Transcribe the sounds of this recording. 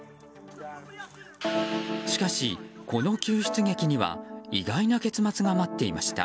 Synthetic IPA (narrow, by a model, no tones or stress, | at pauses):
ɕi̥kaɕiko̞no̞kʲɨːɕɨ̥t͡sɨɡe̞kʲiɲ̟iβa̰iɡainake̞t͡sɨmat͡sɨɡamat̪ːe̞imaɕi̥t̪a̰